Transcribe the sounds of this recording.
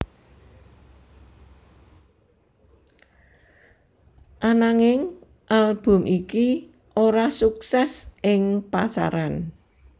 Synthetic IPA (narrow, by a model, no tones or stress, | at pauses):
ʔanaŋɪŋ | ʔalb̥ʊ̤mʔiki | ʔoɾasuksɛsɪŋpasa̰ɾan